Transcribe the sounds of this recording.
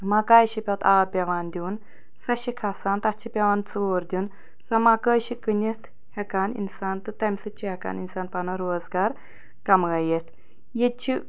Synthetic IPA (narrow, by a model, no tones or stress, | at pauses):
makaːjʃipʲɐt̪ʰaːpʲɐʋaːnd̪ʲuːn | sɐʃikʰɐsaːnt̪ɐt͡ʃʰipʲɐʋaːnt͡soːɾd̪ʲun | sɐmakəːʃikɨnʲit̪ʰ | hɛkaːnḭnsaːnt̪ɨt̪ɐmʲsɨt͡ʃʰihɛka̰ːninsaːnpɐnɐɾoːzɡaːɾ | kɐmɣɐjet̪ʰ | jet͡ʃʰi